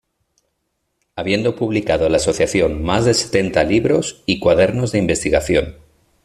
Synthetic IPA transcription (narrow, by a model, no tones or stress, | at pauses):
aβje̞nd̪o̞puβlikað̞olaːso̞θjaθjo̞nmazðe̞se̞̥t̪e̞nt̪aliβɾo̞sikwaðe̞ɾno̞zðe̞imbe̞st̪iɣaθjo̞n